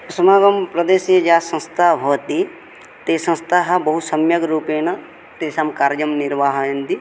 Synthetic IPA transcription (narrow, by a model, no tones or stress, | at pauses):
sɐmaːɡɐmpɾɐd̪eːsiɐd͡ʒaːsɐ̃nst̪ʰaɦoːt̪i | t̪eːsɐ̃nst̪ʰaːɦɐbɐɦusɐmjɐɡɾuːpeːnɐ | t̪eːsamkaːɾd͡ʒɐmniɾʋaːɦɐɐnd̪i